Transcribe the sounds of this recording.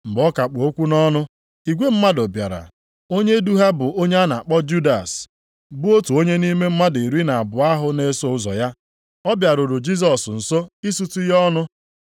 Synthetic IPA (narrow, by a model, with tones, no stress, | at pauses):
m̩˨ɡ͡bɔ˦ka˨k͡pʊ˨o˦kʷu˦nɔ˦nʊ˦ | i˨ɡʷe˦m̩˦ma˦do˨bja̰˨ɾa̰˨ | o˦ɲe˦du˦ɦa˦bʊ˨ʔo˦ɲe˦a˦na˨k͡pɔ˦d͡ʒu˦da˨s | bʊ˦o˦tu˨o˦ɲe˦ni˦me˦m̩˦ma˦di˨ɾi˦na˨a˨bʊ˨a˦ɦʊ˦ne˨so˦ʊ˦zɔ̰˨ja˦ | ɔ˦bja˨ɾʊ˨ɾʊ˨d͡ʒi˦s̬ɔ˨sn̩˨so˦i˦su˦tu˦jɔ˦nʊ˦